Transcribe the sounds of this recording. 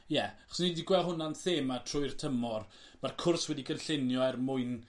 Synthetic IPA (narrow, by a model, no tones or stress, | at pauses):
jɛaχɔ̥snidiɡwɛlˠɦʊnanθeːmatʰrʊɨrtʰəmɔr | markʰʊrswɛdiɡənɬɪnjɔɛrmʊɨn